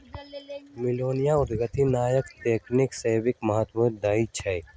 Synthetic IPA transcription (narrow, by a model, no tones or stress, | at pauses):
mɪloːnijaʊd̪ɡət̪inaːjəkt̪eːknɪkseːbɪkmɐɦət̪mũd̪ait͡ʃʰɐj